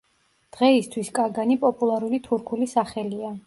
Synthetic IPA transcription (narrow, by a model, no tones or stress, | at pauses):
d̪̥ʁɛist̪ʰwiskʼaɾɡanipʼɔpʼulˠaɾulit̪ʰuɾkʰulisaχɛlia